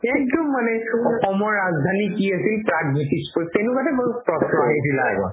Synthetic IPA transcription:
ɛk̚dɔmːanɛɔxɔmɔɹːazd̪ʱanikiasilpɹaɡmitikspɔstɛnukatɛbɔpɹɔsʰɔnidilaɛ̰bɔ̰

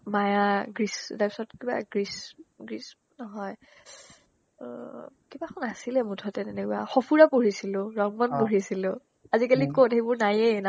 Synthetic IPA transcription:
majaɡɹistaɹpisɔtkiba̰ɡɹisɡɹis | nɔɦɔj | kibakʰɔnasilɛmutʰɔtɛtɛnɛkwaxɔpʰuɹapoɹisilʊɹɔŋbɔnpoɹisilʊ̃ | azikalikotebʊɹnajen

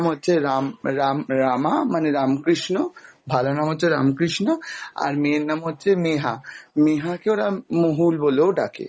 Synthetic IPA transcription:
mɦotːɕʰeɾamɾamɾamamaneɾamkɾiʃnobʱalonamɦotːt͡ɕʰeɾa̰mkɾiʃnoa̰ɾmeɾnamɦotːt͡ɕʰemeɦameɦakeoɾamoɦulboloɖakḛ

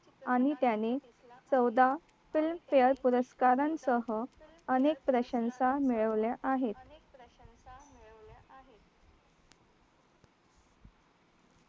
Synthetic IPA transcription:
aɽ̃it̪jane | t͡səwd̪a | filmfejəɾpuɾəskaɾansəɦə | ənek̚pɾəɕənsamiɭəʋljaʔaɦet̪̚ | lɦe

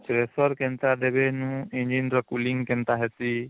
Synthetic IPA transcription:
t͡ʃɾesɔɾkɛnt̪ɾad̪ɛbenũiɲd͡ʒinɾɔkuliŋkɛnt̪aɦɛti

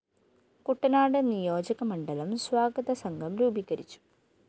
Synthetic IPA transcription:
kuʈːɐnaːɽɨnijo̞ːd͡ʑɐɣɐmɐɳɖɐlɐmswaːɡɐðɐsɐŋɡʱɐmɾuːbiɣɐɾit͡ɕːu̥

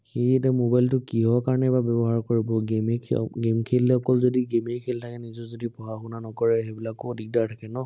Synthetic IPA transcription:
xejɛtɛmobajltʊkiɦɔkaɹɔnɛbabjɔbɔɦaɹkoɹibɔɡemɛkʰɡemkʰelɛɔkɔlzodiɡemekʰeltʰakɛnizɔzodipɔɦaxunanɔkɔɹɛxɛbilakɔdʱik̚daɹtʰakɛnɔ

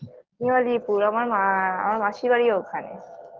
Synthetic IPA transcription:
nialipuɾamaɾaa̰maɾmaʃibaɾiokʰanḛs

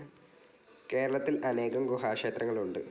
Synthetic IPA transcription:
ke̞ːɾɐɭɐt̪ːilʔɐne̞ːɣɐŋɡuɦaːkʂeːt̪rɐŋːɐɭuɳɖɨ

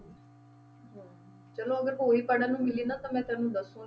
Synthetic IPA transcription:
ɦãː | t͡ʃəloːəɡəɾpoːiːpəɽãːnũːmɪliːnat̪ãːmɛ̃ːt̪ãːnũːd̪əsũː

